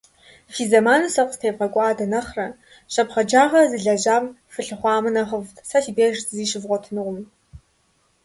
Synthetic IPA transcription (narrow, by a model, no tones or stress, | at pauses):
fiːzɐmaːnɨsɐqʷʼstʰeːvʁɐkʷʼɑːdɐnɐχrɐ | ɕɐpχɐd͡ʒaːʁɐzɨɮɐʑaːm | fɨɬɨχʷɑːmɨnɐʁəvtʰsafiːbeːʒtʰziːʃɪvʁʷɔtʰɨnɨʁʷʊm